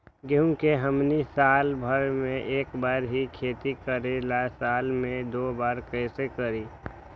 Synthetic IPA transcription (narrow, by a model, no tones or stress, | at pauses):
ɡeũkeɦəmnisaːlbʱəɾmẽʔeːkbaːɾɦikʰeːt̪ikəɾelasaːlmẽd̪oːbaːɾkəɪsekəɾi